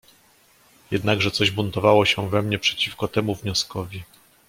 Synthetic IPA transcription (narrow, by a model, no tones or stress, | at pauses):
jɛd̪naɡʐɛt̪sɔʑbunt̪ɔvawɔɕɛvɛmɲɛpʂɛ̥t͡ɕifkɔt̪ɛmuvɲɔskɔvʲi